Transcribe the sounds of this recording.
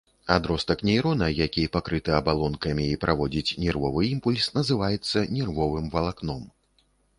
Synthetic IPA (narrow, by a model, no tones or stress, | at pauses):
ad̪ɾɔst̪ɐknʲɛjɾɔnɐjakʲipakɾɨt̪ɨɐbalˠɔnkɐmʲiːpɾʔavɔd͡zʲit͡sʲnʲɛrvɔvɨimpulʲsnɐzɨvajɛt̪sːɐnʲɛrvɔvɨmvɐlˠaknɔm